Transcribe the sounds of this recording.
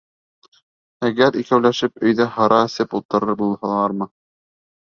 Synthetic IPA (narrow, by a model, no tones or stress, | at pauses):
æɡæɾikæwlæʃɘpɵ̆jðæhɑɾɑɘ̆sɘpulˠt̪ɤ̆ɾɤɾbulˠhɑlˠɑɾmɤ